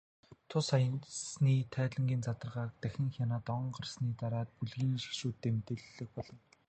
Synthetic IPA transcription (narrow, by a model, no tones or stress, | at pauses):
t̪ʰʊsajnsniːt̪ʰæːɮə̆ŋɡʲiːnt͡sat̪ə̆rʁaːk̚t̪æxʲɪ̆ŋxʲjanaːt̪ɔɴɢə̆rsniːt̪aɾaːt̪̚puɮɣiːŋʃi̥ʃuːt̪ːeːmet̪ɘ̆ɮːɘ̆k̚pɔɮɞ̆n